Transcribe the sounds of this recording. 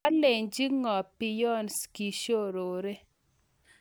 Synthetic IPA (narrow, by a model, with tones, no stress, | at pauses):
a˦le˨ɲd͡ʒi˦ŋɔ˨pi˨jɔ˦nski˨ʃo˦ɾo˨ɾe˦